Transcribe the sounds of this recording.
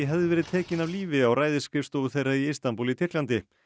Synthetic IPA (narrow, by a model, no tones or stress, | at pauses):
ɦɛvðɪvɛːɾɪðt̪ʰɛːcɪnavliːvɪawɾaːjðɪskɪfst̪oːwɣʏθejrːaiɪst̪ampuːlit̪ʰɪr̥klant̪ɪ